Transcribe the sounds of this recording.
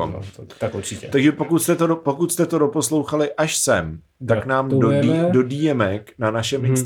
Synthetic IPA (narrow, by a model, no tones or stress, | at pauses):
t̪kuɾt͡ʃɪɛt̪aɡʒɛpo̞kut̪st̪ɛt̪odopo̞kut̪st̪ɛt̪o̞dopo̞slo̞wxalɪʔaʃsɛm | t̪aknaːmodo̞diːjɛmɛknanaʃɛmɪns